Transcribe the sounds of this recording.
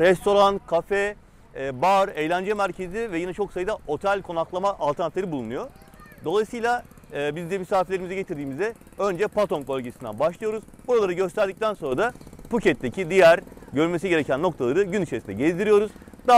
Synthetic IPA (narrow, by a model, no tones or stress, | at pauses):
ɾɛst̪ʰo̞ɾankʰafɛ | baɾejlʲænd͡ʒɛmæɾcʰe̞zivɛjinɛt͡ʃʰo̞ksajɯd̪aʔo̞t̪ʰɛlʲkʰo̞naklˠamaʔːlˠt̪ʰɾnat̪ˠaɾɯbulˠunujo̞ | d̪o̞lˠajsɯjlʲˠaː | bizd̪ɛmysaːfilʲeimizɛɟe̞t̪ʰiɾd̪iːmizɛ | ø̞nd͡ʒɛpat̪ʰo̞nbø̞lʲɟesind̪æ̰nbaʃlˠijo̞ɾuz̥buɾalˠaɾɯɟø̞st̪ʰæɾd̪ic̚t̪ʰænso̞nɾad̪apucɛt̪̚ːecʰid̪ijæɾɟø̞ɾymesiɟeɾecʰænːo̞kt̪ʰalˠaɾɯɟynit͡ʃʰesind̪ɛ̰ɟezd̪iɾijo̞ɾuz̥d̪̥a